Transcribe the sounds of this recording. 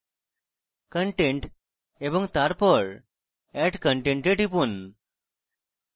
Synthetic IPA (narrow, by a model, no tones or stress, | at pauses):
kəɳʈẽɳʈ | ebəŋɡt̪aɾpəɭ | ɛʈkəɳʈẽɳʈeʈipun